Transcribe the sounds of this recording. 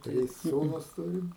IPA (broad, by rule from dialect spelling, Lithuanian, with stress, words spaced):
ˈtʲrʲɪs ˈsuːnʊs ˈtʊrʲɪm